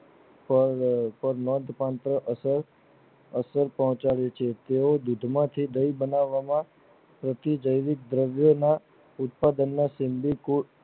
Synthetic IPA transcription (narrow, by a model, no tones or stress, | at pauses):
ppəɾnɔnd̪pãnt̪ɾəʔəsəɾ | əsəɾpɔɦɔ̃t͡ʃaɭet͡ʃʰet̪eod̪ud̪ʱmãt̪ʰid̪əibənaʋːamã | pɾət̪id͡ʒəjʋɪk̚d̪ɾəʋjona | ʊt̪̚pad̪ənːaʃɪmbiku